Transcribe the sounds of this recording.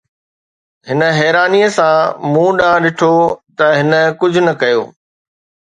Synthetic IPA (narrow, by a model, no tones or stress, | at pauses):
ɦɪnə̆ɦɛːɾaːnijəsãmũːɗãːɗɪʈʰot̪ɐɦɪnə̆kʊd͡ʑʱʊ̆nɐkɐjo̰ː